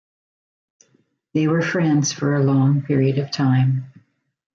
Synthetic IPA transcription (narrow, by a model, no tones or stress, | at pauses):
ðeɪwə˞fɹɛ̃ndz̥fə˞ɨlɔ̃ŋpʰɪɹiɨɾʌv̥tʰãɪ̃m